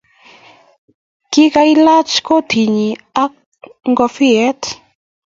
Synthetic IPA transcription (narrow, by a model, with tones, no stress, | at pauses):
ki˦ka˧i˦la˦t͡ʃko˦tʰi˨ɲi˨a˦k̚ | ŋɡɔ˧fi˦ɛ˦t